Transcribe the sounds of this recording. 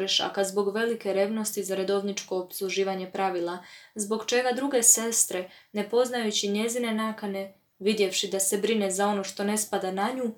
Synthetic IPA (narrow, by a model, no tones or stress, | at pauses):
ɾeʃa̰kazbo̞ɡʋe̞like̞ɾe̞ʋno̞st̪izaɾed̪o̞ʋnit͡ʃko̞ːpslˠuʒiːʋaɲe̞pɾaʋilˠazbo̞ɡt͡ʃe̞ɡad̪ɾuɡe̞se̞st̪ɾe̞ | ne̞po̞znajut͡ɕiɲe̞zine̞naːkane̞ | ʋid̪je̞fʃid̪ase̞bɾine̞zao̞no̞ʃt̪o̞ne̞spad̪anaɲu